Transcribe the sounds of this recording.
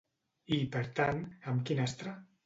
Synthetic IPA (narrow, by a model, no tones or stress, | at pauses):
ipəɾt̪anəmkinɛst̪ɾa